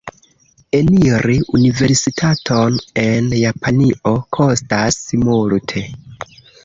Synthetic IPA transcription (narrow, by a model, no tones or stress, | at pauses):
e̞niɾiʔunive̞ɾsitʰatʰo̞ne̞njapʰaniʔo̞kʰo̞stasmultʰe